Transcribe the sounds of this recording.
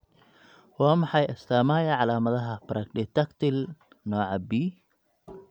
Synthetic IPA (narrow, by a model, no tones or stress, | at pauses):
wɑːmɑħɑjɐst̪ʰaːmaːjɐʕɑlaːmɐðɐɦɐpɾʔɐkɖɪt̪ɐkt̪ʰɪl | nɔːʕɑbiː